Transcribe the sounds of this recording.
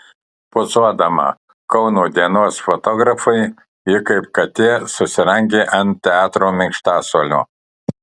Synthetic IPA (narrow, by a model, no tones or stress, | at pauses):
pʊsuɔd̪ɐmɐ̰ | kɒʊnuːd̪ʲiɛnoːsfɔt̪ɔɡɾɐfɐɪ | ɪkɐɪpkɐt̪ʲiɛsʊsʲɪɾɛŋʲɡʲeːʔɐnt̪t̪ʲɛɑːt̪ɾoːmʲɪŋkʃt̪ɑːsoɔːlʲṵː